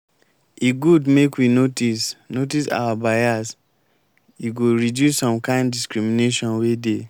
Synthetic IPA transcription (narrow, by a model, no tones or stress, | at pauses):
iɡudmekwinotisnot̬isa̰wabajas | iɡoɹidjusːɔ̃mkãɪ̃ndiskɹimineʃɔ̃nwede